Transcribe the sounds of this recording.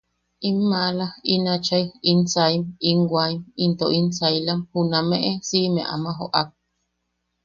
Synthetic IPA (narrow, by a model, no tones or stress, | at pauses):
imːalainat͡ʃajinsaimiŋɡwaimint̪oʔinsajlamhunamẽʔesimḛ̃ʔa̰mãɦoʔak̚